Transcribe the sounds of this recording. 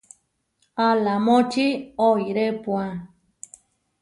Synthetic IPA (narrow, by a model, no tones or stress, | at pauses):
alamõt͡ʃiojɾepwã